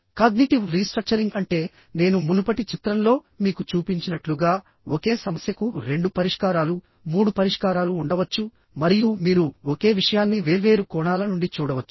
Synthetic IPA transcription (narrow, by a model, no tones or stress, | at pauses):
kɐɡniʈiʋɾiːsʈɾɐk̚t͡ʃɐɾiŋɡɐɳʈe̞ː | ne̞ːnumunupɐʈit͡ʃit̪ɾɐmlo̞ː | miːkut͡ʃuːpiɲt͡ʃinɐʈluɡaː | oke̞ːsɐmɐsjɐkuɾe̞ɳɖupɐɾiʂkaːɾaːlu | muːɽupɐɾiʂkaːɾaːluːɳɖɐʋɐt͡ʃːu | mɐɾijumiːɾuoke̞ːʋiʂɐjaːnːiʋe̞ːʋeːɾukɔːɳaːlɐnuɳɖit͡ʃuːɽɐʋɐt͡ʃːu̥